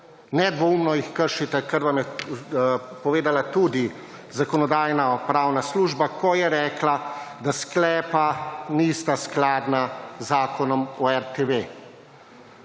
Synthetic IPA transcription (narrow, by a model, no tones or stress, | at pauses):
nɛd̪ʋɔumnɔjixkəɾʃit̪ɛkəɾʋamjɛ | pɔʋeːd̪alat̪ud̪i | zakɔnɔd̪aːjnaɔpɾawnasluːʒbakɔjɛɾɛːklad̪asklɛːpanist̪asklaːd̪nazːaːkɔnɔmɔɛɾt̪eʋe